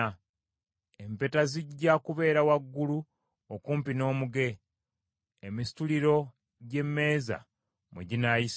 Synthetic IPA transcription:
empe̞taziɟːakuβe̞ːɾawaɡːulu | okuːmpino̞ːmuɡe̞ | misi̥tuliɾo̞ | ɟe̞mːe̞ːza̰ | mṵɟinajis

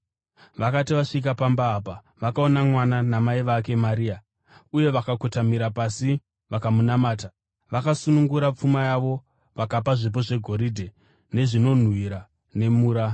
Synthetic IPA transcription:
ʋakatiʋaʂik̬apambaːpa | ʋakao̞namwananamaiʋake̞maɾiːa | uje̞ʋakakutamiɾapasi | ʋakamunamaːta | ʋakasunuŋɡuɾap͡fumajaʋo̞ | ʋakapaʐip̬o̞ʐe̞ɡʱo̞ɾidʱe̞ | ne̞ʐino̞n̤wiɾa | ne̞muːɾa

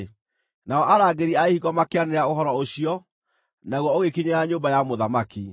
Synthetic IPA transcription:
naɔʔaɾaːɡeɾiaehiɣɔmakeaneɾaoɦɔɾɔoɕiɔ | naɣwɔoɣekiɲeaɲoːbajamoðamaki

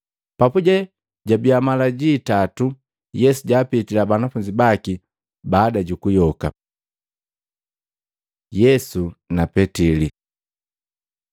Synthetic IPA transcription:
papuɟɛ | ɟabiamalaɟiːtatu | jɛsuɟaːpitilabanafuɲd͡ʒibaki | baːdaɟukujɔka̰ | jɛsunapɛtili

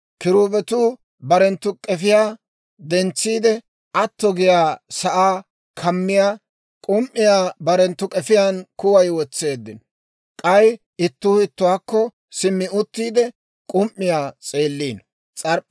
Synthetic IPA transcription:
kɪɾuːbɛt̪uː | bɐɾɛnt̪ːʊkʼɛfɪjaː | d̪ɛnt͡sːiːd̪ɛ | ʔɐt̪ːɔɡɪjaːsɐʔaː | kʰɐmːɪjaː | kʼʊmʔːɪjaːbɐɾɛnt̪ːʊkʼɛfɪjaːnkʊwɐjwɔt͡sːe̞ːd̪ːɪnɔ | kʼɐj | ɪt̪ːʊɪt̪ːʊwaːkːɔ | sɪmːɪʊt̪ːiːd̪ɛ | kʼʊmʔːɪjaːt͡sʼe̞ːlːiːn | t͡sʼɐɾ

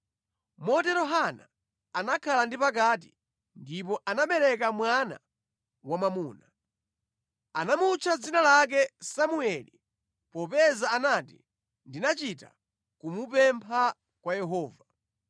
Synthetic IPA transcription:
mɔtɛɾɔɦana̰ː | nakʰalandipak̬at̬i̥̰ | ndip̬ɔʔanaɓɛlɛkamwana̰ | wamamuːna | anamut͡ʃʰad͡zinalak̬ɛsamuɛli | pɔpɛzaːnatḭ | ndinat͡ʃita̰ | kumupɛmpʰa | kwajɛɦɔːva

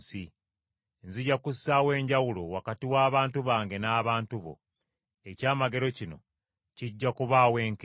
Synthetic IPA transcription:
si | nziɟakusːawe̞ːɲɟawulo̞wakatiwaːβaːntuβaːŋɡe̞naːβaːntuβo̰ | ecaːmaɡe̞ɾo̞cino̞̰ | ciɟːakuβaːwe̞ːŋk

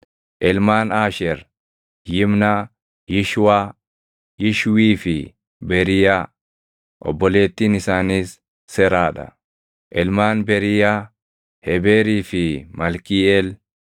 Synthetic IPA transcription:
ʔɛlmaːnaːʃɛɾ | jɪmna | jɪʃwaː | jɪʃwiːfɪ | bɛɾɪja | ʔɔ̰bːɔle̞ːt̪ːiːnɪsaːniːsː | ɛɾaːᶑɐ̰ | ʔɛlmaːnbɛɾɪja | hɛbeːɾiːfɪmɐlkiɛl

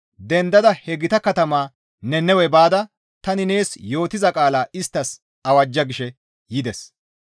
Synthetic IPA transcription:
d̪ɛnd̪ɐd̪ɐhɛɡɪt̪ɐkɐt̪ɐmaː | nɛnɛwɛbaːd̪ɐ | t̪ɐnɪne̞ːsjo̞ːt̪ɪzɐkʼaːlaːʔɪst̪ːɐs | ɐwɐd͡ʒːɐɡɪʃɛ | jɪd̪ɛs

